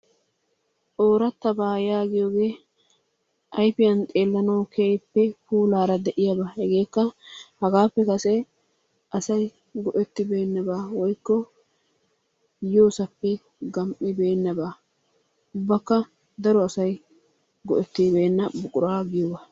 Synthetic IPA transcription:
ʔo̞ːɾɐt̪ːɐbaːjaːɡɪjoːɡe̞ː | ʔɐjpɪjɐnt̪ʼeːlːɐnɐwkʰeːjpːɛpuːlaːɾɐd̪ɛʔɪjɐbɐhɛɡe̞ːkːɐhɐɡaːpːɛkɐsɛ | ʔɐsɐj | ɡɔʔɛt̪ːɪbe̞ːnːɐbaːwɔjkːɔ | joːsɐpːɛ | ɡɐmʔɪbe̞ːnːɐbaː | ʊbːɐkːɐ | d̪ɐɾɔɐsɐj | ɡɔʔɛt̪ːɪbe̞ːnːɐbʊkʼʊɾaːɡɪjobɐ

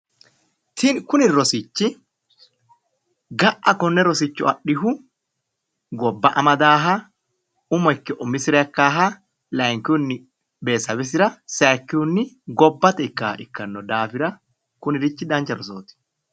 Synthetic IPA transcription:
t̪ʰɪnkʊnɪɾɔsɪt͡ʃːɪ | ɡɐʔɐkɔnːɛɾɔsɪt͡ʃːʊɐɗːɪɦʊ | ɡɔbːɐʔɐmɐd̪aːɦɐ | ʊmɔɪkːɛʔɔmɪsɪɾɛɐkːaːɦɐ | lɐjŋkɪʊnːɪ | be̞ːsɐbɛs̬ɪɾɐsaːkːɪunːɪ | ɡɔbːɐt̪ɛɪkːaɪkːɐnːɔd̪aːfɪɾɐ | kʊnɪɾɪt͡ʃːɪd̪ɐnt͡ʃːɐɾɔsoːt̪ɪ̥

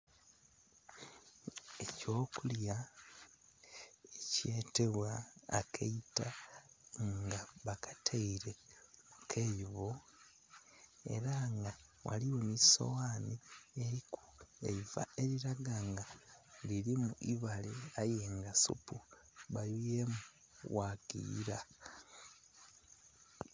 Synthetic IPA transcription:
eco̞ːkulja | ece̞ːte̞βwaːkʰeita | ŋɡaβakḁtʰeiɾe̞mukʰejiβo | e̞̰ɾaŋɡawa̰liwo̞niso̞̰waːnieɾiku̥eiva̰eɾiɾaɡaŋɡaliɾimuʔiβaleajeːŋɡasṵpuβajujemu | wakḭːɾa

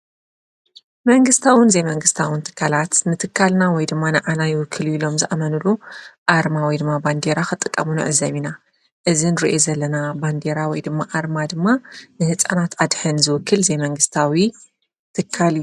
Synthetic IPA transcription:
mɐŋɡɨst̪ʰawɨnzejmɐŋɡɨst̪ʰawɨnt̪ʰɨ̥kʰːalat̪nɨt̪ʰɨkʰːalnawɔjd̪ɨmːanɨʕanajɪwʊkʰːɨluilo̞mzɨʔamɐnulːuʔaɾmawɔjd̪ɨmːaband̪eɾakɨt̪ʼɨkʼːɐ̰munɨ̰ʕɨzɐmina | ʔɨzinɨɾiʔozɐlːɐnaband̪eɾawɔjd̪ɨmːaʔaɾmad̪ɨmːanɨhɨt͡sʼanat̪ʰʔad̪ħɨnzɨwʊkʰːɨlzemɐŋɡɨst̪ʰawi | t̪ʰɨkʰːal

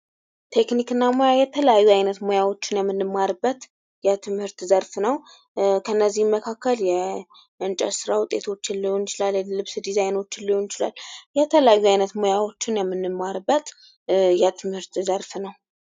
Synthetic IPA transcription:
t̪ʰe̞knikɨnːamojajɛt̪ʰələjajːuajnət̪mo̞jawo̞t͡ʃːɪnjɛmːɨnːɨmːaɾɨbːət̪ | jɛt̪ʰɨmhɨɾt̪zəɾfnəw | kʰənːəzːihməkʰakːəljɛ | ʔɨnt͡ʃʼə̰sɨɾawʊt̪ʼːe̞t̪ʰo̞t͡ʃːɪnliho̞njɪt͡ʃɪlallɨβsd̪izajno̞t͡ʃːɪlːiho̞njɪt͡ʃɪla̰lːjɛt̪ʰələjajːuajnət̪mo̞jawo̞t͡ʃːɪnjɛmːɨnːɨmːaɾbːət̪ | jɛt̪ʰɨmhɨɾt̪zəɾfnəw

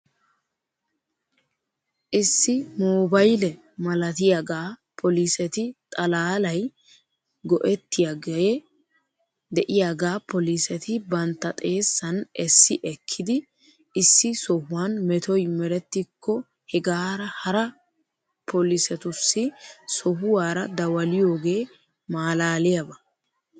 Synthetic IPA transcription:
ʔɪsːɪmoːbɐjlɛ | mɐlɐt̪ɪjaɡaːpʰɔlisɛt̪ɪt̪ʼɐlaːlɐj | ɡɔʔɛt̪ːɪjaɡɐjɛ | d̪ɛʔɪjaɡaːpɔlisɛt̪ɪbɐnt̪ːɐt̪ʼe̞ːsːɐnɛsːɪʔɛkʰːɪd̪ɪ | ɪsːɪsɔhʊwanmɛt̪ɔjmɛɾɛt̪ːɪkʰːɔ | hɛɡaːɾɐhɐɾɐ | pɔlɪsɛt̪ʊsːɪsɔhʊwaːɾɐd̪ɐwɐlɪjo̞ːɡe̞ː | maːlaːlɪjɐbɐ

